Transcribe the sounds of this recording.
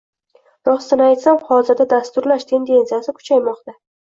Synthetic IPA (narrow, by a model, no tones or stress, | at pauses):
d̪ɒst̪ɪnɪajt̪samhɒzɪɾd̪ad̪ast̪ʊɾlaʃt̪ʰe̞nd̪e̞nsijasɪkʰʊ̥t͡ʃʰajmɒqt̪a